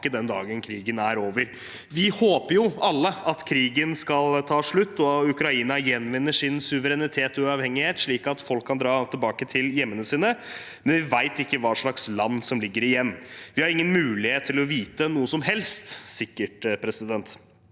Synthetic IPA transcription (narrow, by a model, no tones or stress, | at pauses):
əd̪ɛnd̪ɑ̰ːɡənkʰɾiːɡənæɾoːʋəɾ | ʋɪhoːpəɾjʊɑlːəɑt̪kʰɾiːɡənskɑlt̪ʰɑːʂɭʉt̪ːɔʉkɾɑiːnɑjɛnːʋɪnːəʂɪnsʉʋəɾɛnɪt̪ʰeːt̪ɔʉɑʋhɛŋːɪheːt̪ʂɭiːkɑt̪fɔlkʰːɑnd̪ɾɑːt̪ʰɪlbɑːkət̪ʰɪljɛmːənəsiːnə | mɛnʋɪʋæɪt̪ɪkːəʋɑːʂɭɑkslɑnːsɔmlɪɡːəɾɪjɛnːʋɪhɑɾɪŋːənmʉːlɪheːt̪ʰːɪlɔʋiːt̪ənuːəsɔmɦɛlst̪sɪkːəʈpʰɾɛsɪd̪ɛnt̪